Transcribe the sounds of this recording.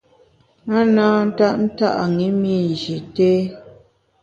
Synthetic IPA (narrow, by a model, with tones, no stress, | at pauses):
a˦naː˦n̩˦ta˦ʔn̩˦ta̰˦ʔa˨ŋi˨˦mi˦˨n˨d͡ʒi˨teː˦